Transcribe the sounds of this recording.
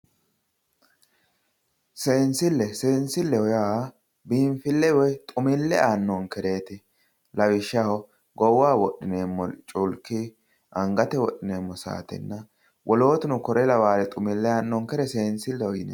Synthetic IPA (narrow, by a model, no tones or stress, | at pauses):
seːnsɪlːɛse̞ːnsɪlːɛɔja | biːmfɪlːɛwɔjt̪ʼʊmɪlːɛaːnːɔŋkɛɾe̞ːt̪ɪ | lɐwɪʃːɐhɔ | ɡɔwːaːwɔɗːɪneːmːɔt͡ʃʼʊlkːɪ | ʔɐŋɡɐt̪ɛwɔɗːɪneːmːɔsa̰ːt̪ɪ̰nːɐ | wʔɔlo̞ːt̪ɪnʊkɔɾɛlɐwaːlɛt̪ʼʊmɪlːɛaːnːɔŋkɛɾɛseːnsɪlːɛɔjɪnḛ